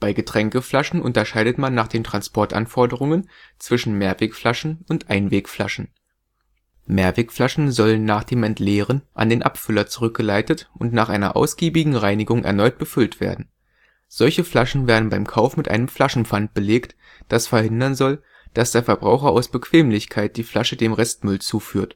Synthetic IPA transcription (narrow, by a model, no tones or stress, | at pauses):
b̥aɪɡətʁ̥ɛŋkəflaʃn̩ʔʊ̰ntɐʃaɪdətmanːaːχd̥eːntʁ̥anspɔɐtʔa̰nfɔɐdəʁʊŋənt͡sv̥ɪʃn̩meːɐveːkflaʃn̩ʊntʔaɪnveːkfla̰ʃn̩ | meːɐveːkflaʃn̩zɔlənːaːχd̥eːmɛntleːʁənʔa̰ndeːnʔa̰pfʏlɐt͡su̥ʁʏk̚ɡ̥əlaɪtətʔʊntnaːχʔaɪnɐ̰ʔa̰ʊsɡ̥iːbɪɡŋ̩ʁaɪnɪɡʊŋʔɛ̰ɐnɔʏt̚b̥əfʏltv̥ḛːɐdn̩ | z̥ɔlçəflaʃn̩veːɐdn̩baɪmkʰaʊfmɪtʔa̰ɪnəmfl̥aʃn̩fant̚b̥əleːkt | d̥asfɛɐhɪndɐnzɔl | d̥asd̥eːɐfɛɐbʁaʊxɐʔa̰ʊsb̥əkʰv̥eːmlɪçkʰaɪt̚d̥iːflaʃədeːmʁɛstmʏlt͡suːfyːɐt